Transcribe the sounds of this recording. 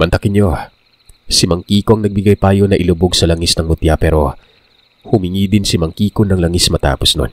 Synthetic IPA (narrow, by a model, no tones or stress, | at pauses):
mɐnt̪ɐkɪnjo̞ | sɪmɐŋkiːkoɐŋnɐɡ̚bɪɡajpaːjonɐʔɪlʊboɡsɐlɐŋisnɐŋmʊt̪japɛːɾo̞ | hʊmɪŋiːd̪ɪnsɪmɐŋkiːkonɐŋlɐŋismɐt̪a̰ːposno̰n